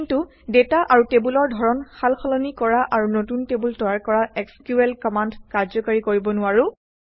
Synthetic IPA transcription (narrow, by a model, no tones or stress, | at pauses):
ntu | detaʔaɹutebulɔɹdʱɔɹɔnxalxɔlɔnikɔɹaʔaɹunotuntebultɔjaɹkɔɹaɛkskjuɛlkɔmandkaɹzɔkaɹikoɹibɔnʊaɹu